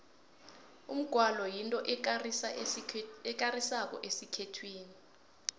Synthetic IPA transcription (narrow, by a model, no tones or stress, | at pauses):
ṵm̩ɡ̥ʱwalɔjintʼɔʔ | ɛk̬arisak̬ɔ̰ʔesikʰetʰwiːni